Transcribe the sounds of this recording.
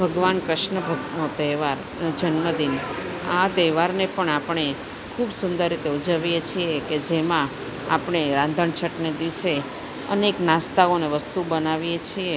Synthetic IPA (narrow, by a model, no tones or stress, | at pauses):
bʱəɡʋankɾɪʃɳəbʱəɡnot̪ɛʋaɾ | d͡ʒənməd̪in | at̪ɛʋaɾnepəɳapɳe | kʰubsʊnd̪əɾːit̪eud͡ʒəʋijet͡ʃʰieked͡ʒemã | a̰pɳ̃eɾãnd̪ʱəɳt͡ʃʰəʈned̪iʋse | ə̰neknãst̪aoneʋəst̪ubənaʋijet͡ʃʰie